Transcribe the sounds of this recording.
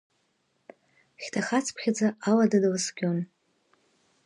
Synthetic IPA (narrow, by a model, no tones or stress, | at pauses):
χʲtʰaχat͡sʰpʰχʲad͡zaaladadalɨsɡʲon